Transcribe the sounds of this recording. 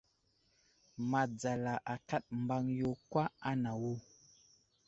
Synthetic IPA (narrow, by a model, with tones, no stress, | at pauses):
ma˨d͡za˨la˨ʔa˨ka˦t̚mba˦ŋjo˦kwa˦a˦na˨wu˦